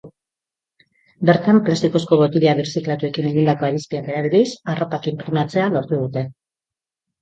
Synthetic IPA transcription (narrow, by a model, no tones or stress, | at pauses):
be̞ɾt̪amplast̪iko̞sko̞βo̞t̪iliaβiɾsiklat̪ue̞kine̞ɣind̪ako̞aɾispiakeɾaβiðisaro̞pakimpɾiɣnat͡se̞alo̞ɾt̪uð̞ut̪e̞